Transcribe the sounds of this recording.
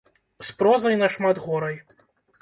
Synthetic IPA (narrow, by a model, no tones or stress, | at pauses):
spɾɔzɐjnɐʂmad̪ɣɔɾɐj